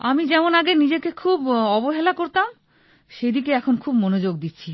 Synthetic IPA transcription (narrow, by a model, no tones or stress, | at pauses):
amid͡ʑɛmonaɡenid͡ʑekekʰubɔboɦelakoɾt̪am | ʃejd̪ikeɛkʰonkʰubmonod͡ʑoɡ̚d̪it̪ːɕʰi